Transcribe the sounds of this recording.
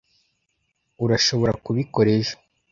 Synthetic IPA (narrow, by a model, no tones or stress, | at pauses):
uɾaʃo̞βo̞ɾakuβiko̞ɾeʃḁ